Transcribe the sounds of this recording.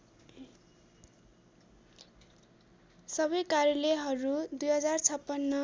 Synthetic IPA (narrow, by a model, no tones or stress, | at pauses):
sʌbʌjkaɾjʌleɦʌɾud̪ujɦʌd͡zart͡sʰʌpːʌnːʌ